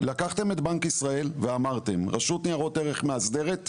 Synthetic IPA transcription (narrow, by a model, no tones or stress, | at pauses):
lakaχt̪e̞me̞t̪bankisʁae̞lveamaʁt̪e̞mʁaʃut̪niaʁo̞t̪eʁe̞χmeazd̪e̞ʁe̞t̪